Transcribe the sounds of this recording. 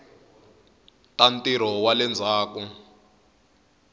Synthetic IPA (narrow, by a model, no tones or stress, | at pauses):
tantiɾ̤ɔwalɛnd͡zʱaːku